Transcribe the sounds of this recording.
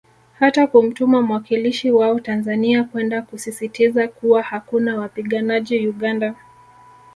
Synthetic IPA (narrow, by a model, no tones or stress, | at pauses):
hatakum̩tumam̩wakiliʃiwaɔtanzaniakwɛndakusisitizakuwahakunawapiɠanaʄijuɠanda